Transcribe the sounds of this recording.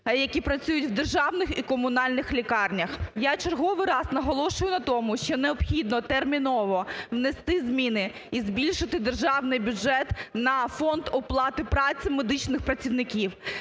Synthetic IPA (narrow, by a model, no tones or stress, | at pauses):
jɐkʲipɾɐt͡sʲujʊtʲwd̪erʒɑwnɪxikɔmʊnɑlʲnɪxlʲikɑrnʲɐxjat͡ʃerɦɔʋɪjrɑznɐɦɔlˠɔʃʊjʊnɐt̪ɔmʊʃt͡ʃɔneɔbxʲid̪nɔt̪ɛrmʲinɔʋɔʋnest̪ɪzmʲinɪ | izbʲilʲʃɪt̪ɪd̪erʒɑwnɪjbʲʊʒɛt̪nɐfɔnd̪ɔplˠɑt̪ɪpɾɑt͡sʲimed̪ɪt͡ʃnɪxpɾɐt͡sʲiwnɪkʲiw